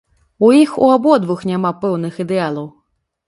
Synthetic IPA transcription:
uixṵabɔd̪vɨxnʲamapɛwnɨxid̪ɛalˠɐw

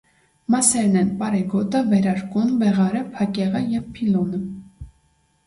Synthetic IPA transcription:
mɑsɛɾnɛnpɑɾɛɡɔt̪əvɛɾɑɾkunvɛʁɑɾəpʰɑkɛʁəjɛvpʰilɔnə

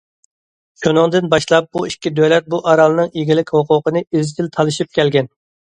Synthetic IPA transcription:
ʃunɨŋd̪ɨnbɑʃlˠɑp̚buikʲːid̪ølɛt̪̚buʔɑɾɑlˠɨnɨŋiɡʲilɪkʲhoqʊqənɨizd͡ʒ̪ʲɪlt̪ʰɑlˠɨʃip̚kʲʰɛlɡʲɛn

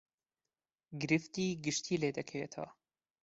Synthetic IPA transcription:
ɡɾɪft̪iɡiʂt̪ʰileːd̪ɐkʰeet̪ʰa̰

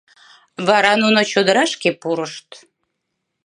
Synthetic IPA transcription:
βɑɾɑnunot͡ɕod̪əɾɑʃkepuɾəʃt̪

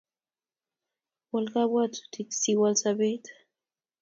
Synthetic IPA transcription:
walkaβwat̪u̥t̪iksiwalsaβet̪

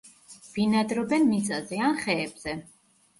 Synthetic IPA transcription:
v̥inad̪ɾɔbɛnmit̪sʼazɛanχɛːbz̥ɛ

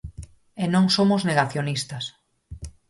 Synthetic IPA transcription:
enõŋsomozneɣaθjonist̪ɐs

